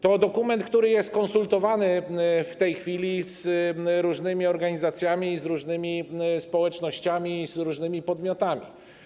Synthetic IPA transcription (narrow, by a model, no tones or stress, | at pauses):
t̪ɔd̪ɔkumɛnt̪̚kt̪uɾɘjɛst̪̚kɔnsult̪ɔvanɘft̪ɛjxfʲilʲisɾuʐnɘmʲiɔɾɡaɲizat̪sʲjamʲizɾuʐnɘmʲispɔwɛt͡ʂnɔɕt͡ɕamʲiːzɾuʐnɘmʲipɔd̪mʲjɔt̪amʲḭ